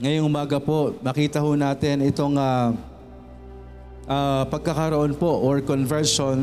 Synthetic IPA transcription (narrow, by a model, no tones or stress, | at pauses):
ŋɐjoŋʔʊmaːɡɐpo̞ʔnɐkiːt̪ɐhuːnaːt̪ɪnɪt̪o̞ŋa | ʔaːpɐɡ̚kɐkɐɾoʔonpo̞ʔɔɹkonvɛɹʃon